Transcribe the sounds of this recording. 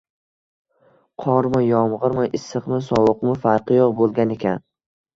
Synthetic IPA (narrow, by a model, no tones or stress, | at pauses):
qʰɒɾmɪjɒmʁɨɾmɪʔɪsːɨqmɪsɒwʊqmɪfaɾqɨjɒqbolˠɡʲane̞kʲʰan